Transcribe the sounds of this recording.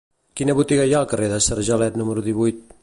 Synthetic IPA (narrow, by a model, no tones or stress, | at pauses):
kinəβut̪iɣəjalˠkəreðəsəɾʒalɛt̪numəɾuðiβujt̪̚